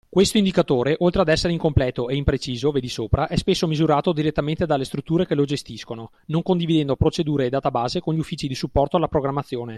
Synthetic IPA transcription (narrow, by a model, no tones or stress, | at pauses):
kwest̪oind̪ikat̪oːɾeʔolt̪ɾead̪ɛsːeɾeiŋkomplɛːt̪oeimpɾet͡ʃiːzoved̪isoːpɾaʔɛspesːomizuɾaːt̪od̪iɾet̪ːament̪ed̪alːest̪ɾut̪ːuːɾekelod͡ʒest̪iskono | noŋkond̪ivid̪ɛnd̪opɾot͡ʃed̪uːɾeːd̪aːt̪abaːzekonʎiufːiːt͡ʃid̪isupːɔrt̪oalːapɾoɡɾamːat̪sːjoːne